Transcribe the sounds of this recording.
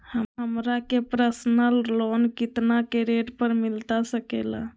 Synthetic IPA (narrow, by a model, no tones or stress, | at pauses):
həɦəmɾakepɾəsnəllonkit̪nakeɾeʈpəɾmilt̪asəkela̰